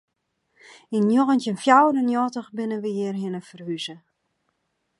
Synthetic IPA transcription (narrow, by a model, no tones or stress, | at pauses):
injoɣəntjənfjawdənjɔːtəχbɪnəʋəjɪərɦɪnəfərhyzə